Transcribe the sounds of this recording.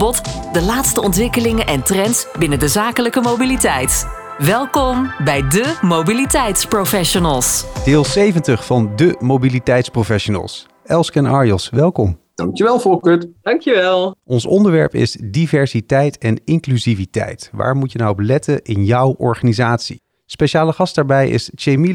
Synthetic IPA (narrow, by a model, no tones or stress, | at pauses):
bɔtdəlaːtstəɔntʋɪkəlɪŋənʔɛntrɛntsbɪnəndəzaːkələkəmowbilitɛjt | ʋɛlˠkɔmbɛjdəmowbilitɛjtsprowfɛʃonəlˠsd̥ɪːlˠsejvəntəχfɑndəmowbilitɛjtsprofɛʃonə̰lˠs | ɛlˠskənɑɹjɔlˠsʋɛlˠkɔmd̥ɑŋkjəʋɛlˠfɔkøtd̥ɑŋkjuʋɛlˠʔɔnsɔndəɹʋɛ̰ɹpɪ̰sdivɛɹsitɛjtɛnɪŋklyzivitɛ̰jtʋa̰ːɹmucjənawɔplɛtənɪnjɑwʔɔ̰ɹχanizaːtsḭ | spejʃaːləχɑst̚daːɹbɛjɪ̰sʃejmi